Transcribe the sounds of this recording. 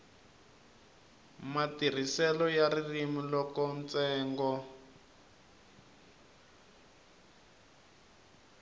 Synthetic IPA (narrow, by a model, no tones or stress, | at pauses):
matir̤isɛlɔjaririmilɔkɔnt͡sɛːŋɡɔ